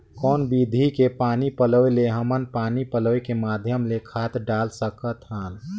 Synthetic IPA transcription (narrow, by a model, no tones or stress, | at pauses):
kɔːnbid̪ʱikepaːnipələeleɦəmənpaːnipələekemaːd̪ʱjəmlekʰaːt̪ɖaːlsəkət̪ɦən